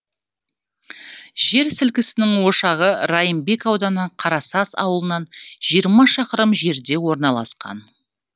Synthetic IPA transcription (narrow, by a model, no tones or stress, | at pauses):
ʒ̥e̞ɾsɪlkʲɪsɪnɪŋwo̞ʃɑʁəɾɑjəmbe̞kɑwd̪ɑnəɴqʰɑɾɑsɑsɑ̰wəlˠənɑnʒijəɾmɑʃɑqəɾəmʒe̞ɾd̪e̞wo̞ɾnɑlˠɑsqɑ̰n